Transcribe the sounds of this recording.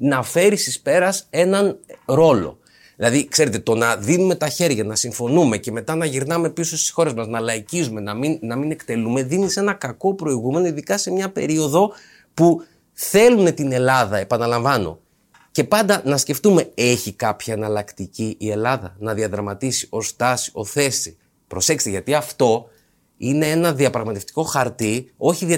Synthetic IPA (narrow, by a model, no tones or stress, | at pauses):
nɐfe̞ɾist̪ispe̞ɾɐse̞nɐnɾo̞lo̞̰ | ðilɐðikse̞ɾe̞t̪e̞t̪o̞nɐðinume̞t̪ɐçe̞ɾʝɐnɐsiɱfo̞nume̞ce̞me̞t̪ɐnɐʝiɾnɐme̞pisost̪i̥sxo̞ɾe̞zmɐznɐlɐicizume̞nɐminnɐmine̞kt̪e̞lume̞ðinise̞nɐkɐko̞pɾo̞iɣume̞no̞iðikɐse̞mɲɐpe̞ɾio̞ðo̞ | pu | θe̞lune̞t̪ine̞lɐðɐepɐnɐlɐɱvɐno̞̰ | ce̞pɐnd̪ɐnɐsce̞ft̪ume̞eçikɐpçiɐnɐlɐkt̪iciʔːe̞lɐðɐ̰nɐðiɐðɾɐmɐt̪isi̥o̞st̪ɐsi̥o̞θe̞si | pɾo̞se̞kst̪iʝɐt̪iɐft̪o̞ | ine̞e̞nɐðiɐpɾɐɣmɐt̪eft̪i̥ko̞xɐɾt̪io̞çiði